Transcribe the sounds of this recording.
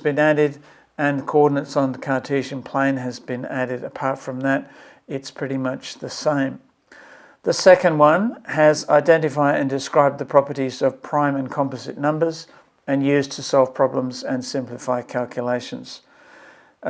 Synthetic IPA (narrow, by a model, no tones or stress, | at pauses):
zbɨ̃næɾɪɾ | ɨ̃nkʰəɔɹdⁿn̩ɨ̃tsn̩ðəkʰɑɹtʰeʒɨ̃npʰl̥ẽɪ̃nɨzbɨ̃næɾɨɾɨpʰɑɹtfɹʌ̃mðɨɾ | ɨtspʰɹ̥ɪɾimʌt͡ʃðɨsẽɪ̃m | ðɨsɛkɨ̃nd̚wʌ̃nɨza̰ɪdɛ̃ntɨfaɪɾɨ̃ndɨskɹaɪb̚ðɨpʰɹ̥ɑpə˞ɾizʌv̥pʰɹ̥ãɪ̃mɨ̃nkʰɑ̃mpɨzɨ̰tⁿnʌ̃mbə˞z | ɨ̃njʉztʰɨsɔlˠv̥pʰɹ̥ɑblə̃mzɨ̃nsɪ̃mplɨfaɪkʰælˠkʰjɨleɪʃɨ̃nz̥